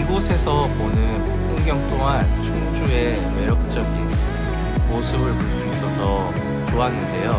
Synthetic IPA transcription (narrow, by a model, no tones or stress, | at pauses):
nɡosʰe̞sʰʌponɯn | koŋɡjʌŋt͈ʰoŋɦant͡ɕuŋd͡ʑue̞ | meɾʌk̚t͡ɕ͈ʌɡin | mosʰɯbɯɭpoɭs͈uis͈ʌsʰʌ | t͡ɕoanːɯnde̞jo